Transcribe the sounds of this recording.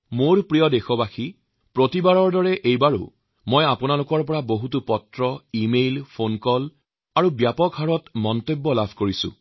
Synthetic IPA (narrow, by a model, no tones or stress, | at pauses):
moɹpɹijɔdexɔbaxi | pɹotibaɹɔɹdɔɹɛʔejbaɹo̰ | mojapʊnalʊkɔɹpɔɹaboɦutupɔtɹɔimejlpʰonkɔl | aɹubjapɔkɦaɹɔtmɔntobːɔlabʱkoɹisʊ̰̃